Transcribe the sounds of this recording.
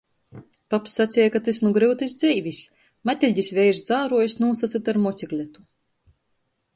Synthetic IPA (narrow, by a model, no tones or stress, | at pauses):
papsːat̪sʲɛjakat̪ɨsnuɡɾɨwt̪ɨsʲd̪zʲɛjvʲisʲ | mat̪ʲilʲd̪ʲisʲvʲɛjɾzd̪zaːɾuɔjsʲnuːsasɨt̪aɾmɔt̪sʲiklʲɛt̪u̥